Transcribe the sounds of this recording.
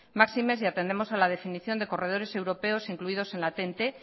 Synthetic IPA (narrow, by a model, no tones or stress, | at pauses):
maksime̞siat̪e̞nd̪emo̞salað̞e̞finiθjo̞nd̪e̞ko̞re̞ð̞o̞ɾe̞se̞wɾo̞pe̞o̞siŋkluið̞ose̞nlat̪e̞nt̪e̞